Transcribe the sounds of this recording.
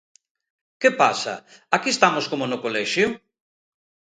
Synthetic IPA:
kepasɐ̰ | akiest̪amoskomonʊkolɛʃjʊ

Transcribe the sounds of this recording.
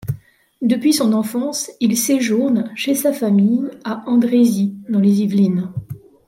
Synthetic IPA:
d̪əpɥisɔ̃nɑ̃fɑ̃silseʒuʁnʃesafamijaɑ̃d̪ʁezid̪ɑ̃lezivlin

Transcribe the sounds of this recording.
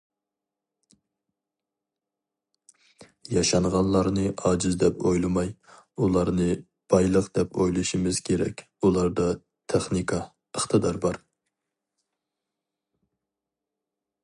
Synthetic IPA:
jɑʃɑɴʁɑnlˠɑɾnɨʔɑd͡ʒɪzd̪ɛpojlˠɨmɑj | ulˠɑɾnɨ | b̥ɑjlˠəqd̪̥ɛpojlˠuʃimɪz̥kʲʰeɾɛ̰kʲ | ulˠɑɾd̪ɑ | t̪ʰeχnikʰɑ | əχt̪ʰɨd̪ɑɾbɑɾ

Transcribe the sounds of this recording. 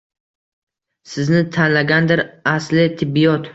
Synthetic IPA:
sɪznɪt̪ʰanlaɡʲand̪ɪɾaslɪt̪ʰɪbːijɒt̪

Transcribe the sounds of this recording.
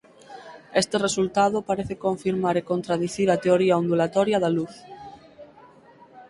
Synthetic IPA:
est̪eresult̪aðopaɾeθekõɱfiɾmaɾekont̪ɾaðiθiɾat̪eoɾiaond̪ulat̪ɔɾjaðaluθ

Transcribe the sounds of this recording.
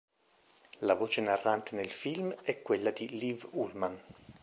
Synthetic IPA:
lavoːt͡ʃenarːant̪enelfilmɛkːwelːad̪ilivulman

